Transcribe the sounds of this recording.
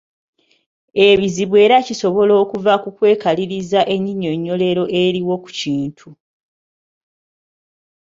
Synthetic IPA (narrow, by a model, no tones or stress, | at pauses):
eβiziβwe̞ːɾaciso̞βo̞lo̞ːkuvakukwe̞ːkaliɾizaʔe̞ɲːiɲo̞ɲːo̞le̞ɾo̞ʔe̞ɾiwo̞ku̥ciːntʰu